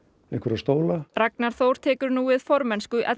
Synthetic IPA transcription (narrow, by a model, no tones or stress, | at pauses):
ẽhŋkvəɾast̪oːwlaraknaɾ̥θowɾ̥t̪ʰɛːkʏɾnuːvɪːðfɔɾmɛnskʏʔɛ̰